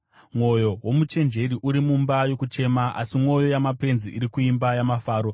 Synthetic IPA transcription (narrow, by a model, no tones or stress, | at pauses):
mwo̞jo̞wo̞mut͡ʃe̞nd͡ʒe̞ɾiʔuɾimumbajo̞kut͡ʃe̞maʔa̰simwo̞jo̞jamape̞nziʔiɾikuimbajamafaːɾo̞